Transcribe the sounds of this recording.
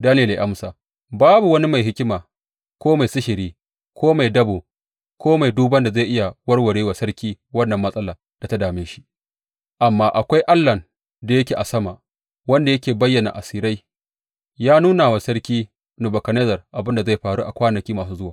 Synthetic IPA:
daː˦neː˨le˨ʔa˦msaː˨ | baː˦bu˨wɐ˦ni˦ma˨jɦɪ˦kʲɪ˦maː˨ | kʷoː˦ma˨jsɪ˦ʃɪ˨ɾiː˦ | kʷoː˦ma˨jdɐ˦boː˨ | kʰʷoː˦ma˨jduː˦bɐ˦nda˨za˦˨ʔɪ˦ja˨wɐ˦rwɐ˨ɽeː˦wa˨sɐ˦rkʲiː˦ | wɐ˦nːɐ˨mːɐ˦sʼɐ˦laː˨ | d̥a˨ta˦daː˨mɪ˦nʃi̥˦ | ʔa˨mːaː˦ʔa˨kʷa˦jʔa˦lːɐ˨n | da˨jɐ˦kʲeː˨ʔa˨sɐ˦ma˨ | wɐ˦nda˨jɐ˦kʲeː˨bɐ˦jːɐ˨na̰˨ʔa˨siː˦ɾa˦j | jaː˦nuː˦na˨wa˨sɐ˦ɽkʲiː˦ | nu˨bɐ˨kɐ˨neː˦zɐ˨rʔa˨bɪ˦nda˨za˦˨jɸaː˨ɽṵ˦ʔa˨kʷaː˦nɐ˨kʲiː˦maː˨suː˦zʊ˦waː˨

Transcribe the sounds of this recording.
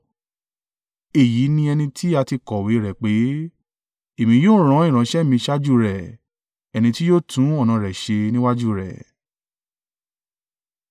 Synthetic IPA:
e˦˨ji˨˦nĩ˧ɛ˧nĩ˧tʰi˦a˧ti˧kɔ˨we˨˦ɾɛ˨k͡pe˨˦ | e˨mĩ˧˦joː˦˨ɾ̃ã˨˦ĩ˦˨ɾã˨˦ʃɛ˦˨mĩ˧ʃa˦d͡ʒu˦ɾɛ˨ | ɛ˧nĩ˧ti˦joː˦˨tʰũ˨˦ɔ˦˨nã˨˧ɾɛ˨ʃe˧nĩ˦wa˦d͡ʒu˦˨ɾɛ̰˨

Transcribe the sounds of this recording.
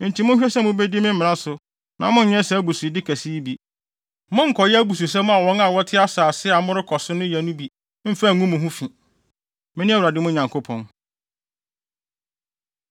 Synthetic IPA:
n̩˨tʰi˨˦mʊ̃˦ɕᶣɛ˦sɛ̃˦mʊ̃˦bɛ˦di˦mɪ̃˦m̩˦mɪ̃˨nã˦sʊ˨ | nã˨mʊ̃˦˨ɲɛ̃˦sɛ˨æ˦bu˨su˨i˨dɪ˦kʰæ˨si˦bi˨ | mʊ̃˦ŋ̩˨kʰɔ˨jɛ˦æ˦bu˨s̬u˨s̬ɛ̃˦m˦a˨wɔ̃˦na˨wɔ˦tʰɪ˦a˦saː˨sɪ˦a˨mʊ̃˦ɾɪ˦kʰɔ˨sʊ˦nʊ̃˦jɛ˨nʊ̃˦bi˨˦ | m̩˦fɛ˦˨ŋũ˦mʊ̃˨ɦʊ̃˦fĩ˨ | mɪ̃˦nɪ̃˦æ˦wɾa˨dɪ˦mʊ̃˦˨ɲã˨ŋkʰʊ˦pʰɔ̰̃˨n

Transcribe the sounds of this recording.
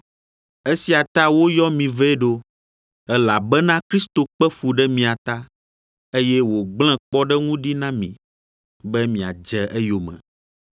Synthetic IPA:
e˦si˨˦a˨t̪a˦wo˦jɔ˦mĩ˨vɛ˦ɖo˦ | ɛ˦la˨bɛ˦nã˦kɾi˦st̪o˨k͡pɛ˦fu˨ɖɛ˦mĩ˨a˨t̪a˦ | e˦jɛ˦wo˨ɡ͡bl̃ɛ̃˦k͡pɔ˦ɖɛ˦ŋũ˦ɖi˦nã˦mḭ̃˨ | bɛ˦mĩ˨a̰˨d͡ʒɛ˨ʔɛ˦jo˨mɛ̰̃˨

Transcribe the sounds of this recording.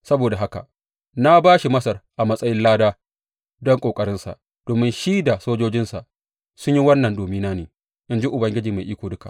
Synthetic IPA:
sɐ˦boː˨da˨ɦa˦ka̰˨ | na˦baː˦ʃi˨mɐ˦sɐ˨rʔa˨mɐ˦sʼɐ˦jɪ˦nlaː˦daː˦ | dɔ˦ŋkʼoː˨kʼɐ˦ɾɪ˦nsa̰˨ʔ | d̥oː˨mɪ˦nʃi˦da˨soː˦d͡ʒoː˦d͡ʒɪ˦nsa˨ʔ | sʊ˦ɲji˦wɐ˦nːɐ˨ndoː˨miː˦naː˦neː˨ | ʔɪ˦nd͡ʒi˦ʔʊ˨bɐ˨ŋɡʲɪ˦d͡ʒiː˨ma˨ʔiː˦kʷoː˨dʊ˦ka̰˨ʔ

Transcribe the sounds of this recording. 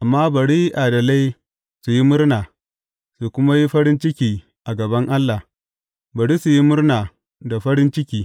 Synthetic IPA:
ʔa˨mːaː˦bɐ˨ɽiː˦ʔa˨dɐ˨la˦j | su˨ji˦mʊ˦rnaː˨ | su˨kʷʊ˦ma˦ji˦ɸɐ˦ɽɪ˦nt͡ʃɪ˦kʲiː˨ | ʔa˨ɡɐ˨bɐ˦ŋʔa˦lːa˨h | bɐ˨ɽiː˦su˨ji˦mʊ˦rnaː˨ | da˨ɸɐ˦ɽɪ˦nt͡ʃɪ˦kʲiː˦

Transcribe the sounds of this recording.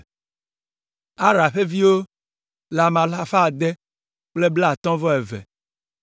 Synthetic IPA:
a˦ɾa˨ɸe˦vi˦wo˦ | la˨mã˨la˦ɸa˦˨d̪e˦ | k͡ple˦bla˦˨t̪ɔ̃˦vɔ˦ɛ˨vɛ̰˨

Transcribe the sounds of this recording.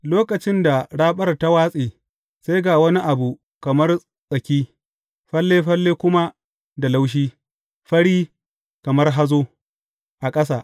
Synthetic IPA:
loː˦kɐ˨t͡ʃɪ˦nda˨ɽaː˦ɓɐ˦rta˦waː˦sʼiː˨ | sa˦jɡaː˨wɐ˦ni˦ʔa˨bu˨ | kɐ˨mɐ˦r | sʼɐ˨kʲiː˦ | ɸɐ˦lːeː˦ɸɐ˦lːeː˦kʷʊ˦ma˦ | da˨la˦wʃ̬iː˦ | ɸɐ˦ɽiː˦ | kɐ˨mɐ˦rɦa˦zoː˦ | ʔa˨kʼɐ˦saː˨ʔ

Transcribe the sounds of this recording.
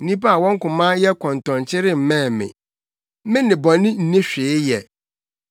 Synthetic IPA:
n̩˦nĩ˦pa˦a˨wɔ̃˦ŋ̩˦kʊ̃˨mã˦jɛ˦kʰɔ̃˨n˨tɔ̃˨ɲt͡ɕʰɪ˦ɾɪ˦m̩˨mɛ̃ː˦˨mɪ̰̃˨˦ | mɪ̃˦nɪ̃˨bɔ̃˨nɪ̃˦n̩˨nẽ˦ɕᶣɪ˨ɪ˦jɛ˨

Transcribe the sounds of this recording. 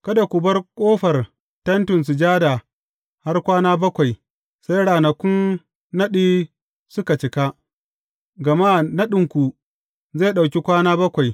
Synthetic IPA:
kɐ˦da˨kʷu˨bɐ˦rkʷʼoː˦ɸɐ˨r | tɐ˦ntʊ˨ns̬u˨d͡ʒaː˦da˨ | ha˦rkʷaː˦naː˦bɐ˦kʷa˨j | sa˦jɽaː˨nɐ˨kʷʊ˦nː | ɐ˦ɗiː˦ | sʊ˦ka˨t͡ʃɪ˦ka˦ | ɡɐ˨maː˦nɐ˦ɗɪ˨ŋkʷu˨ | ze˦˨ɗa˨wkʲi˦kʷaː˦naː˦bɐ˦kʷa˨j

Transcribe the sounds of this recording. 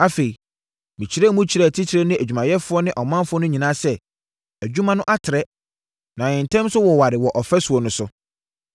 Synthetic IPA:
a˦fe˨i˨ | mĩ˨t͡ɕʰi˨ɾɛ˦mũ˦t͡ɕʰi˨ɾɛ˦˨tʰi˦tʰi˨ɾe˦nɪ̃˦æ˨d͡ʑᶣu˨mã˨jɛ˦fʊ˦ɔ˦nɪ̃˦ʔɔ˨mã˦mfʊ˦ɔ˦nʊ̃˦ɲĩ˨nãː˦sɛ˦ | æ˨d͡ʑᶣu˦mã˦nʊ̃˦ʔa˦tʰɪ˨ɾɛ˦ | nã˨ɪ̃˨n̩˨tʰɛ̃˦msʊ˦wɔ˨wa˨ɾɪ˨wɔ˨ʔɔ˨fɛ˦su˨ɔ˨nʊ̃˨sʊ˦

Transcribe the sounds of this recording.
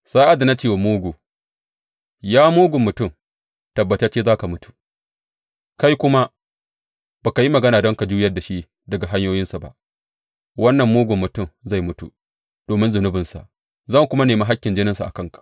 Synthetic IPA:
sa˦ʔa˨da˨na˦t͡ʃeː˦˨wa˨muː˦ɡʷu˨ | jaː˦muː˦ɡʷʊ˨mːʊ˨tʊ˦˨m | tɐ˨bːɐ˨t͡ʃɐ˦t͡ʃeː˦zaː˦ka˨mʊ˦tu̥˨ | ka˦jkʷʊ˦ma˦ | b̥a˨ka˨ji˦mɐ˨ɡɐ˦naː˨dɔ˦ŋka˨d͡ʒuː˦jɐ˦rda˨ʃi˦ | dɐ˨ɡa˨ɦa˦ɲjoː˦jɪ˦nsa˨ba̰˦ʔ | wɐ˦nːɐ˨mːoː˦ɡʷʊ˨mːʊ˨tʊ˦˨mza˦˨jmʊ˦tu˨ | d̥oː˨mɪ˦nzʊ˨nʊ˦bɪ˨nsa̰˨ʔ | zɐ˦˨ŋkʷʊ˦ma˦neː˨ma˦ɦa˦kʲːɪ˨nd͡ʒɪ˦nɪ˦nsa˨ʔa̰˨kɐ˦ŋkḁ˨ʔ

